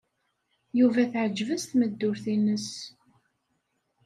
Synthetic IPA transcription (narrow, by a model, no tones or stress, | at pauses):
juvæθʕəd͡ʒːvəst̪məd̪ːʊɾθinəs